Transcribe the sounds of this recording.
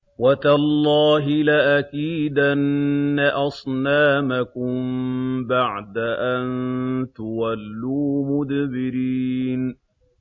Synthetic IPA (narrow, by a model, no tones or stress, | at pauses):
wat̪alˤːɑːɦɪlaʔakiːd̪ʔaanːaʔɑsˤnaːmakʊmbaʕd̪aʔant̪ʊwalːuːmʊd̪bɪɾiːn